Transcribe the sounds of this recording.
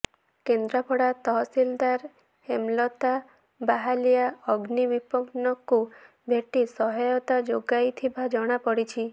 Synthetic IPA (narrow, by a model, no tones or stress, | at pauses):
kend̪ɾapʰɔɽat̪ɔɦɔsild̪aɾ | hemlɔt̪a | baɦalijaɔɡnibipɔɡnɔku | bʱeʈisɔɦɔjɔt̪ad͡ʒoɡajt̪ʰibad͡ʒɔɽ̃apɔɽit͡ʃʰi